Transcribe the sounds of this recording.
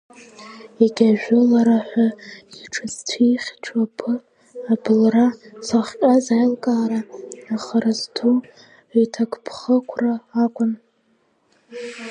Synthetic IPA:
eɡʲaʒᶣʊlaɾaħʷᶣaiʈ͡ʂʰɨztʰiχʲt͡ʃʷʰapʰɨ | abɨlrasaχʷkʲʼazajlkʼaːɾaːχarazdʰu | itʰakʼpʰχəkʷʰraːkʷʼʊn

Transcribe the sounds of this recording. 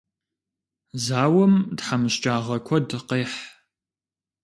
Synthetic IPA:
zaːwɐmdħamɨɕt͡ʃʼaːʁɐkʷʰɔdɨqeːħ

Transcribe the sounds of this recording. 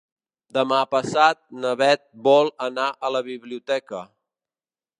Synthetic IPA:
d̪əmapəsat̪̚nəβɛt̪̚bɔlˠənaʔələβiβliut̪ɛkə

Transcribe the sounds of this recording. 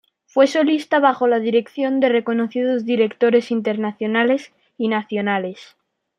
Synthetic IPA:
fwe̞so̞list̪aβaxo̞lað̞iɾe̞kθjo̞nd̪e̞re̞ko̞noθið̞ozðiɾe̞kt̪o̞ɾe̞sint̪e̞ɾnaθjo̞nale̞s | inaθjonale̞s

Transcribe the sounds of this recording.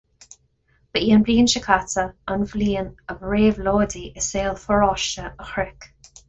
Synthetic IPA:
b̥əʔiːənbliːənʃəkʰatəənvliːənəbɹeːvloːdiʔəseːlˠfəɹɔʃəəxɹɪk

